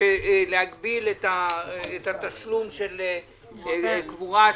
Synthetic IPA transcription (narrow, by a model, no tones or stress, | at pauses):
elehaɡbilet̪aet̪at̪aʃlumʃel | kvuʁa